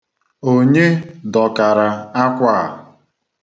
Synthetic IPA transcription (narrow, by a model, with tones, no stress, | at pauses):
o˦ɲe˦dɔ˨ka˨ɾa˨a˦kʷa˦˨